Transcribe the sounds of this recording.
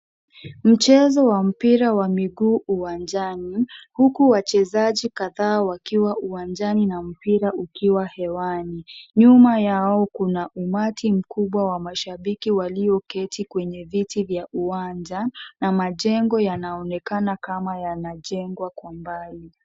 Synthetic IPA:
m̩t͡ʃɛzɔwam̩piɾawamiɠuːʔuwand͡ʒanihukuwat͡ʃɛzaʄikaðaːwakiwaʔuwand͡ʒaninam̩piɾaʔukiwahɛwaniɲumajaɔkunaʔumatʰim̩kuɓwawamaʃaɓikiwaliɔkɛtʰikwɛɲɛvitivjaʔuwaɲd͡ʒanamaʄɛŋɡɔjanaɔnɛkanakamajanaʄɛŋɡwakwambali

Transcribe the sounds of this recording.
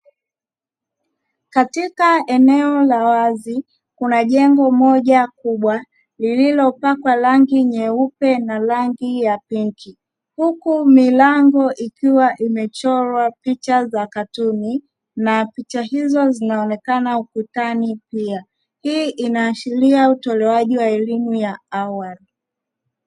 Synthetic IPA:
katikaɛnɛɔlawazi | kunaʄɛŋɡɔmɔʄakuɓwa | lililɔpakwalaŋɡiɲɛupɛnalaŋɡijapiŋki | hukumilaŋɡɔʔikiwaʔimɛt͡ʃɔɾwapit͡ʃazakatuni | napit͡ʃahizɔzinaɔnɛkanaukutanipia | hiːʔinaːʃiliautɔlɛwaʄiwaɛlimujaawali

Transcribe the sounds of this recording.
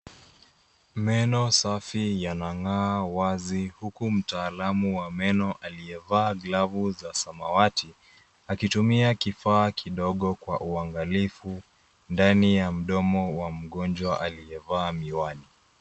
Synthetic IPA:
mɛnɔsafijanaŋaːwazihukum̩taːlamuwamɛnɔʔalijɛvaːɡlavuzasamawati | akitumiakifaːkʰiɗɔɠɔkwaʔuaŋɡalifu | ndanijam̩ɗɔmɔwam̩ɠɔnd͡ʒwaʔalijɛvaːmiwani

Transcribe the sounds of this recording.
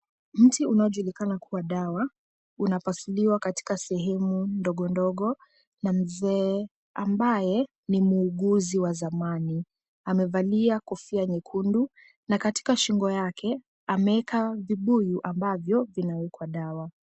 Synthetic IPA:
m̩tiunaɔʄulikanakʰuwaɗawa | unapasuliwakati̥kasɛɦɛmundɔɠɔndɔɠɔ | nam̩zɛː | ambajɛ | nimuːɠuziwazamani | amɛvaliakɔfiaɲɛkʰundu | nakati̥kaʃiŋɡɔjakʰɛ | amɛɛkʰaviɓujuʔambavjɔvinawɛkwaɗawa

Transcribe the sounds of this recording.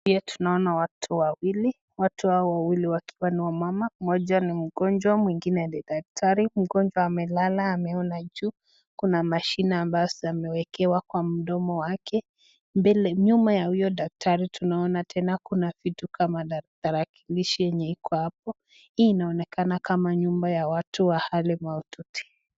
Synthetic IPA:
piatʰu̥naɔnawatʰuwawili | watuhaɔwawiliwakʰi̥waniwamamamɔʄanim̩ɡɔnd͡ʒwamwiŋɡinɛdɛdak̚tʰaɾim̩ɡɔnd͡ʒwaːmɛlalaːmɛɔnad͡ʒuː | kunamaʃinaːmbajɔsamɛwɛkɛwakwam̩ɗɔmɔwakʰɛ | mbɛlɛɲumbajahujɔɗak̚tʰaɾitʰunaɔnatʰɛnakunavitukʰamataɾakʰi̥liʃijɛɲɛikʰɔhap̚ɔ | hiːnaɔnɛkanakamaɲumbajawatuwahalimaututi̥

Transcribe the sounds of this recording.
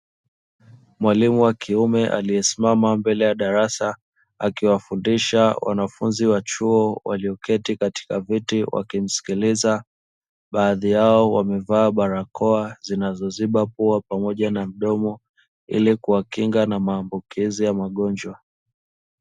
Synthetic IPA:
mwalimuwakiumɛʔa̰liɛsimamambɛlɛjaɗaɾasa | akiwafundiʃawa̰nafunziwat͡ʃuɔwa̰liɔkɛtikati̥kavitiwʔa̰kim̩si̥kiliza | ɓaːðijaɔwamɛvaːɓaɾakʰɔazinazɔziɓapuapamɔʄanam̩ɗɔmɔ | ḭlikuwakiŋɡanamaːmbukizijamaɠɔnd͡ʒwa

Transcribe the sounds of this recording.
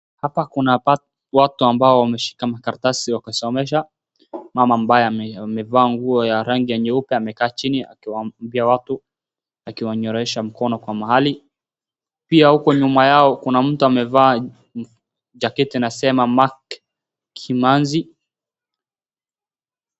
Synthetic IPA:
hapakuna | watuambaɔwamɛʃi̥kamakaɾtasiwakasɔmɛʃa | mamambajɛmɛvaːŋɡuɔjaɾaŋɡiɛɲɛupɛamɛkaːt͡ʃinia̰kiwambiawatu | akiwaɲɔɾɔɛʃam̩kɔnɔkwamaɦali | piahukɔɲumajaɔkunam̩tuamɛvaː | d͡ʒakɛtinasɛmamakʰ | imanzi

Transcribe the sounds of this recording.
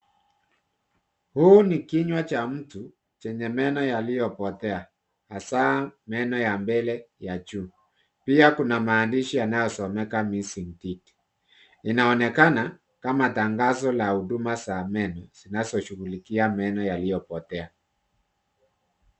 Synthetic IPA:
huːnikiɲwat͡ʃam̩tu | t͡ʃɛɲɛmɛnɔjalijɔpɔtɛa | hasamɛnɔjambɛlɛjat͡ʃuː | piakunamaːndiʃijanajɔsɔmɛkamisiŋ̩titi̥ | inaɔnɛkana | kamataŋɡazɔlahudumasamɛnɔz̥inazɔʃuɣulikiamɛnɔjalijɔpɔtɛa

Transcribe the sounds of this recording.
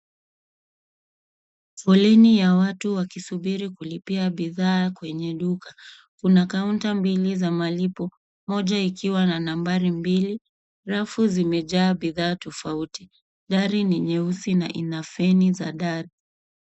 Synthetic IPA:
fɔlinijawatuwakisuɓiɾikulipiaɓiðaːkwɛɲɛɗuka | kunakauntambilizamalipɔ | mɔʄaikiwananambaɾimbili | ɾafuzimɛʄaːɓiðaːtɔfauti | ɗaɾiniɲɛusina̰ʔinafɛnizaɗaɾi

